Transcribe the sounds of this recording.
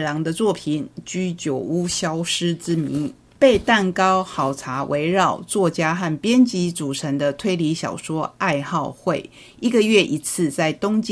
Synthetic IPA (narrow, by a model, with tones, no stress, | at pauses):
lɑ˧˥ŋd̪ə˧t͡swɔ˥˩pʰi˨˩˦nt͡ɕy˥t͡ɕjo˨˩ʊu˥ɕjɑ˥ʊʂɻ̩˥t͡sɹ̩˥mi˧˥˦n | pe˥˧ɪt̪a˥˩nkɑ˥ʊxɑ˨˩ʊt͡sʰa˧˥wʔe˧˥ɪɻɑ˥˩ʊt͡swɔ˥˩t͡ɕja˥xa˥˩npjɛ˥nt͡ɕi˧˥t͡su˨˩ʈ͡ʂʰə˧˥ŋd̪ə˨˧t̪ʰwe˥˧ɪli˧˥ɕjɑ̰˨˩ʊʂwɔ˥a˥˧ɪxɑ˥˧ʊxwe˥˩ɪ | i˥ɡə˨ɥɛ˥˩ʔi˧˥t͡sʰɹ̩˥˧t͡sa˥˩ɪt̪ʊ˥ŋt͡ɕ